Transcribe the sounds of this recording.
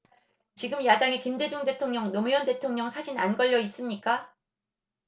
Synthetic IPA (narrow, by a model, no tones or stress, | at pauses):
t͡ɕiɡɯmjadaŋekimde̞d͡ʑoŋde̞tʰoŋɲʌŋnomujʌnde̞tʰoŋɲʌŋsʰad͡ʑinanɡʌʎːʌis͈ɯmɲik͈a